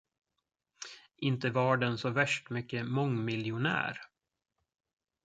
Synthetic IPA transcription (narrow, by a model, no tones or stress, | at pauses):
ʔɪnt̪əvɑɖɛnsɔvæʂʈmʏkːəmɔŋmɪljʊnæ̰ːɾ